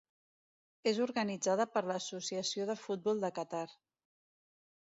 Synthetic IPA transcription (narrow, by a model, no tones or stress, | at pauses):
ezuɾɣənid͡zaðəpəɾləːsusiəsioðəfut̪̚bɔlˠd̪əkət̪aɾ